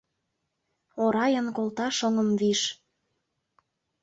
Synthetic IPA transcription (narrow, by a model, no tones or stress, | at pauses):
oɾɑjənkolt̪ɑʃɤ̆ŋəmviʃ